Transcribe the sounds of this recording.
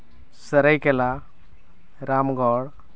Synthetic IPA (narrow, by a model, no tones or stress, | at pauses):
səɾəjkela | ɾamɡɔɽ